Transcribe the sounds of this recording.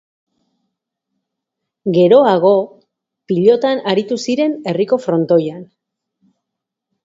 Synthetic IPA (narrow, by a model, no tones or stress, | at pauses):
ɡe̞ɾo̞aɣ̞o̞ | piʎo̞t̪anaɾit̪usiɾe̞ne̞riko̞fɾo̞nt̪o̞jan